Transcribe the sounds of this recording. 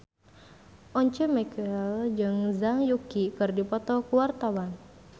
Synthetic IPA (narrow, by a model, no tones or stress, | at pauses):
ʔɔɲt͡ʃɛmɛkəld͡ʒɨŋzaŋjukikɨrdipɔt̪ɔkuwart̪awan